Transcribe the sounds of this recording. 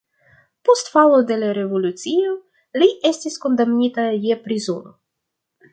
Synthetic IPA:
po̞stfalode̞laɾe̞vo̞lut͡sio | liʔe̞stisko̞ndamnitajepɾizuɾo̰

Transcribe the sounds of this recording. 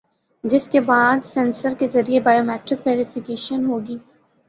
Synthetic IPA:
d͡ʒɪskebaːd̪sɛ̃nsəɾkezɐɾiebaːjoːmɛːʈɾɪkʋɛːɾɪfɪkeːʃənɦoːɡiː

